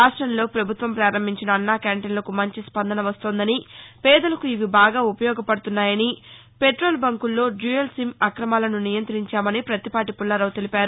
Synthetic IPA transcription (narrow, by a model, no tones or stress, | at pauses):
ɾaːʂʈɾɐmlo̞ːpɾɐbʱut̪ʋɐmpɾaːɾɐmbʱiɲt͡ʃinɐːnːaːkaːɳʈenlɐkumɐɲt͡ʃispɐnd̪ɐnɐʋɐst̪oːnd̪ɐnipɛːd̪ɐlɐkuiʋibaːɡaːupɐjɔːɡɐpɐɽut̪unːaːjɐni | peʈɾo̞ːlbɐŋkulːo̞ːɖuːelsimɐkɾɐmaːlɐnunijɐnt̪ɐɾiɲt͡ʃaːmɐnipɾɐt̪ipaːʈipulːaːɾɐwt̪elipaːɾu